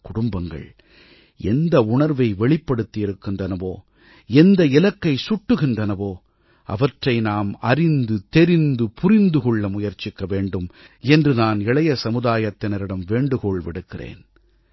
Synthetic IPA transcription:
kʊɽʊmbɐŋɡɐ̰ɭ | ɛnd̪ɐʊɳɐɾʋɐɪʋɛɭɪpːɐɽɯt̪ːɪjɪɾɯkːɪndrɐnɐʋoː | ɛnd̪ɐɪlɐkːɐɪsʊʈːɯɣɪndrɐnɐʋoː | ʔɐ̰ʋɐʈrɐɪnaːmɐɾɪnd̪ɯt̪ɛɾɪnd̪ɯpʰʊɾɪnd̪ɯɣɔɭːɐmʊjɐɾt͡ʃːɪkːɐʋeːɳɖɯmɛndrɯnaːnɪɭɐjɐsɐmɯðaːjɐt̪ːɪnɐɾɪɽɐmʋeːɳɖɯɣɔɭʋɪɽɯkːɪrḛːn

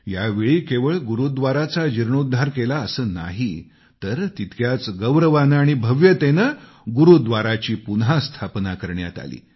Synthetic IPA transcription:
jaʋiɭiːkeʋəɭɡuɾud̪ʋaɾat͡sad͡ʑiɾɳod̪ʱːaɾkelaəsəːna̰ɦi | t̪əɾt̪it̪ʰkjat͡sɡəʋɾəʋanaɽ̃ibʱəʋjət̪enə | ɡuɾud̪ʋaɾat͡ɕiːpunɦast̪ʰapnakəɾɳja̰t̪a̰lḭː

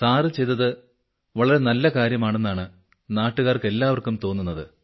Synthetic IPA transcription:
t̪aːrɨt͡ɕe̞jt̪ɐðɨ | ʋɐɭɐɾe̞nɐlːɐkaːɾjɐmaːɳe̞nːaːɳɨ | naːʈːuɣaːrke̞lːaːʋɐrkumt̪o̞ːnːunːɐðɨ̰

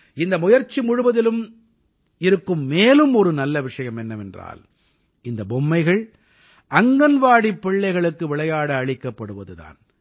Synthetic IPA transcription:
ɪnd̪ɐmʊjɐɾt͡ʃːimʊɻɯʋɐðɪlɯm | ɪɾɯkːɯmːeːlɯmɔɾɯnɐlːɐʋɪʂɐjɐmɛnːɐmɛndra̰ːl | ɪnd̪ɐbɔmːɐɪɣɐɭ | ʔɐŋɡɐnʋaːɽipːɪɭːɐɪɣɐɭɯkːɯʋɪɭɐjaːɽɐːɻɪkːɐpːɐɽɯʋɐðɯða̰ːn

